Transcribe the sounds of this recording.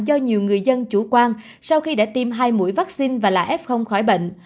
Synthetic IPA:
zɔ˧ɲi˨˩əwŋɨ˨˩əjzə˧nt͡ɕu˧˩kwaː˧n | sa˧wxi˧ɗa̰ː˧˥t̪i˧mɦaː˧jmṵ˧˥əjvaː˦˥k̚si˧nvaː˨˩laː˨˩ʔɛ˦˥p̚xə˧wŋ͡mxɔ˧˩jɓə̰˧˨ŋ̟

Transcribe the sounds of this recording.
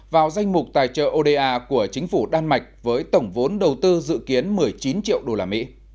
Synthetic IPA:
vaː˨˩wza˧jŋ̟mʊ˨˩k͡p̚t̪a̰ː˨˩jt͡ɕə̰ː˧˨ʔo˧ɗe˧ʔaː˧ku˧˩ət͡ɕï˨˦ŋ̟fu˧˩ɗaː˧nma˨˩jk̟̚vəː˨˦jt̪ə˧˩wŋ͡mvo˨˦nɗə˨˩wt̪ɨ˧zɨ̰˧˨ki˨˦ənmɨ˨˩əjt͡ɕi˨˦nt͡ɕḭ˧˨əwɗo˧laː˧˩mḭ˧˥

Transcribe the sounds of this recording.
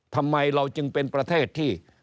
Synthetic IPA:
t̪ʰa˧mːa˧jɾa˧wt͡ɕɯ˧ŋpe˧npɾa˧t̪ʰeː˥˩t̪ʰːiː˥˩

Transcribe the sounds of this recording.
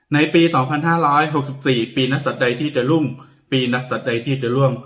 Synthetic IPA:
na˧jpiː˧sɔː˩˦ŋpʰa˧nɦaː˥˩ɾɔː˦˥jɦo˨˩k̚si˨˩p̚siː˨˩piː˧na˦˥k̚sa˨˩t̪̚da˧jt̪ʰiː˥˩t͡ɕa˨˩lu˥˩ŋ | piː˧na˦˥k̚sa˨˩t̪̚da˧jt̪ʰiː˥˩t͡ɕa˨˩lu˥˩əŋ

